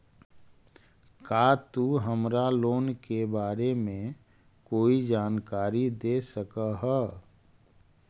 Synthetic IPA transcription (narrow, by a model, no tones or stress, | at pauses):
kaːt̪uɦəmɾaloːnkebaːɾemẽ | koːid͡ʒaːnkaːɾid̪eːsəkaɦɛ